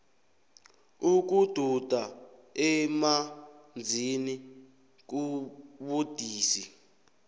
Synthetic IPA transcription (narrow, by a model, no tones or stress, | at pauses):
uk̬ud̥ʱud̥ʱaɛmand͡zʱini | k̬uɓud̥ʱiːsi